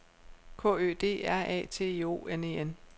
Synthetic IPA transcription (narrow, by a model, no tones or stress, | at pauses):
kʰɔ̰̽ːø̰ːd̥e̝̰ːæɐ̰ɛ̰ːt͡sʰe̝̰ːo̝̰ːene̝en